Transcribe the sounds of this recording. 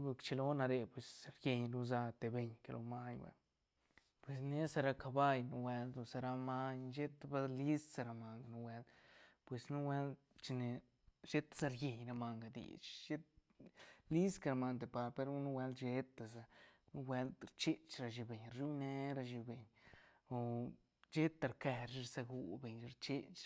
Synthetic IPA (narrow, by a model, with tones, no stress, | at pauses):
be˧kt͡ʃe˧lo˦na˧ɾe˧pwe˨sɾje˧ɲlu˧za˧t̪e˨be˧ɲke˧lʔo̰˧ma˦ɲwḛ˨˧ | pwe˨sne˦sa˧ɾa˧ka˧ba˧jnu˧wʷe˧ld̪o˧sa˧ɾa˧ma˦ɲʃe˦t̪ba˧li˦ssa˧ɾa˧ma˧ŋɡa˨nu˧wʷe˧lpwe˨snu˦wʷe˦l | t͡ʃi˧ne˨ | ʃe˦t̪ḁ˦za˧ɾje˧ɲɾa˧ma˧ŋɡa˨d̪ḭ˨t͡ʃʃe˦t̪ | li˦ska˧ɾa˧ma˧nt̪e˨pa˧ɾpe˧ɾu˦nu˦we˧ld̪ʃe˧t̪a˨za˧nu˦we˧˦ld̪ɾt͡ʃe˦t͡ʃɾa˧ʃi˧be˨ɲɾu˦ne˧˦ɾa˧ʃi˧be˨ɲo˨ | d͡ʒe˦t̪a˨ɾke˧ɾʃi˦ɾsa˧ɡu˧be˨ɲ˧ɾt͡ʃe˦t͡ʃ